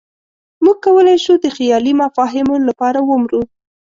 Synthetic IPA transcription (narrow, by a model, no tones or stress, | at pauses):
muɡ̚kawəlajʃud̪əxjɑlimafɑɦɪmolapɑɾawəmɾu